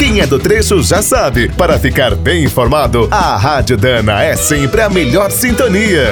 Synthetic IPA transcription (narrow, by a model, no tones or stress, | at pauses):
kẽj̃ɛd̪ʊt̪ɾeʃʊʒasabɪpaɾɐfikaɾbẽj̃ĩfoɾmad̪ʊɐɦad͡ʒʊd̪ɐ̃nɐɛsẽmpɾɪɐmeʎɔɾsĩnt̪oniɐ